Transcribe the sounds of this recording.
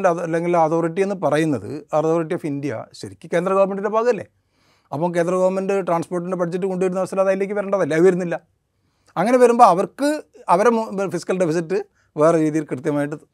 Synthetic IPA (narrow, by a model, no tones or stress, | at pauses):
ɐlːeŋɡilɐt̪ʰo̞ːriʈːije̞nːɨpɐrɐjunːɐðɨ̰ɐrt̪ʰoːriʈ̬ːijofindijɐ̰ɕɐɾikʲːɨke̞ːnd̪rɐɡɐʋɐrme̞nɖindebʱaːɣɐlːe̞̰ | ɐpːoːmk̬e̞ːnd̪rɐɡɐːʋɐrme̞nɖɨʈraːnspoːrʈ̬ːinde̞bɐʈʰd͡ʑet̬ːɨkoɳɖuɐɾunːɐʋɐst̪ɐlaðaːjilekːɨʋɐɾeːɳɖɐðɐlːɐɐʋɐɾunːilːɐ | ɐŋːɐne̞ʋɐɾumbo̞ːɐʋɐrkɨɐʋɐɾemfisi̥kːɐlɖipʰis̬itːɨ | ʋe̞ːreɾiːðijilkrɨt̪jɐmaːjiʈ̬ːɐðɨ